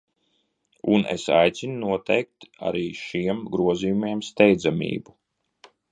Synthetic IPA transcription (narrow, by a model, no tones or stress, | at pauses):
unḛsa̰jt̪sʲinunuɔt̪ɛjk̚t̪a̰ɾiːʃiɛmɡɾuɔziːjumeɛmst̪ɛjd̪zamʲḭːbu